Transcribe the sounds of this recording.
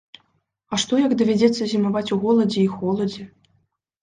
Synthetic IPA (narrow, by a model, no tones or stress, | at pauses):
ɐʂt̪ɔjɐɡd̪ɐvʲɛd͡zʲɛt̪sːɐzʲimavat͡sʲuɣɔlˠɐd͡zʲɛixɔlˠɐd͡zʲɛ